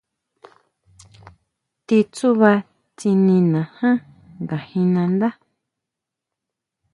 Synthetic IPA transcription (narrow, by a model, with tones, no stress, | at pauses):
t̪i˧t͡su˦βa˧ | t͡si˧nĩ˧nã˨hã˦ | ŋɡa˨hĩ˧nã˧nd̪a˦